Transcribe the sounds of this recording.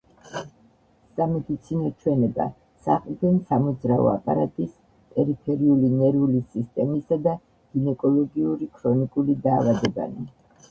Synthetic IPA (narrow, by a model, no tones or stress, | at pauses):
samɛd̪it̪sʰinɔt͡ʃʰwɛnɛba̰ | sa̰χʼld̪ɛnsamɔd̪zɾaɔ̰a̰pʼaɾat̪ʼis | p̪ʼɛɾipʰɛɾiulinɛɾulisist̪ʼɛmisad̪a | ɡ̥inɛkʼɔlˠɔɡiuɾikʰɾɔnikʼulid̪aːvad̪ɛba̰ni